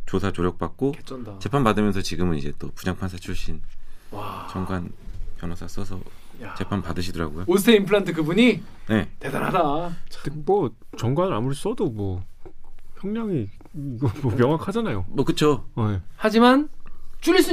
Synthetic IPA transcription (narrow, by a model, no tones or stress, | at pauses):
t͡ɕosʰat͡ɕoɾjʌk̚p͈ak̚k͈oket͡ɕʰndt͡ɕe̞pʰanpadɯmjʌnsʰʌt͡ɕiɡɯmɯnid͡ʑe̞t͈opud͡ʑaŋpʰansʰat͡ɕʰuɭɕ͈in | t͡ɕʌŋɡwanpjʌnas͈ʰas͈ʌsʰʌ̰t͡ɕe̞pʰanpadɯɕʰidɯɾa̰ɡojoosʰeimpʰɯɾantʰɯkɯbuɲi | ne̞te̞da̰ɾɦadat͡ɕemʌ | t͡ɕʌŋɡwanɯɾamuɾes͈ʌdomwʌ | çjʌŋɲaŋi | iɡʌmʌmjʌŋwakʰad͡ʑanajomʌkɯt͡ɕʰoehad͡ʑimant͡ɕʰuɭɕ͈i